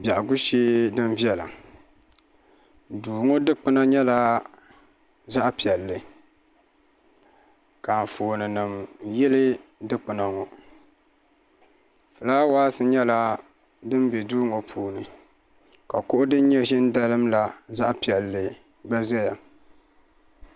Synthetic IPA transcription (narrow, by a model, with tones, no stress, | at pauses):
ba˨ʔa˨ɡu˦ʃi˦dɨ˦nvi˦ɛ˦la̰˨ | duː˨ŋo˦dɨ˦k͡pɨ˦na˦ɲɛ˦la˦ | za˦ʔpi˨ɛ˨lːɨ˨ | ka˨n˨foː˨nɨ˨nɨ˨mjɛ˦lɨ˦dɨ˦k͡pɨ˨na˨ŋɔ˨ | fɨ˨laː˦waː˦sɨ˦ɲɛ˦la˦ | dɨ˦m˦bɛ˨duː˦ŋo˨pʰuː˨˦nɨ˨ | ka˨kʊ˦ʔʊ˦dɨ˦n˦ɲɛ˦ʒɪ˦n˦da˦lɨ˦mla˨za˦ʔpi˨ɛ˨lːɨ˨ | ba˦zɛ˦ja˨